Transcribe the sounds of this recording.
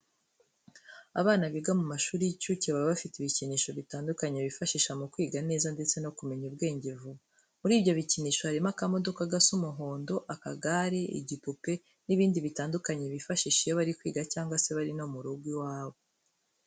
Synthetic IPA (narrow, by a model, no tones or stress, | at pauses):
a̰βaːnaβiɡamumaʃuːɾicuciβaβaβafitiβiciniːʃo̞βitaːndukaɲeβifaʃiːʃamukwiːɡane̞ːzande̞t͡se̞no̞kume̞ɲub̚ɡe̞ːɲɟevuβa | muɾiːbɟo̞βiciniːʃo̞haɾimakamo̞do̞kaɡasumuɦo̞ːndo̞ʔaka̰ɡaɾeḭɟipupe̞ | niβiːndiβitaːndukaɲe̞βifaʃiːʃijoβaɾikwiːɡacaːŋɡwase̞βaɾino̞muɾuɡwiwaːβo̞